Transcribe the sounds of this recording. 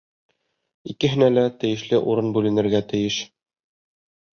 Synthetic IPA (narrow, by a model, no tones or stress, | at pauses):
ikɘ̆ɦɘ̆nælæt̪ɘ̆jɘ̆ʃlɘʔuɾɤnbʉlɘ̆nɘ̆ɾɡæt̪ɘ̆jɘʃ